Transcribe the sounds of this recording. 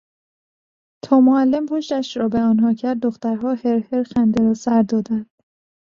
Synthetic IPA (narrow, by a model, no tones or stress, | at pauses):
t̪ʰɒːmoælːempʰoʃt̪æʃɾɒːbeɒːnɦɒːcʰæɾd̪̚ːoxt̪æɾɦɒːheɾheɾxænd̪eɾɒːsæɾd̪ɒːd̪ænd̪̥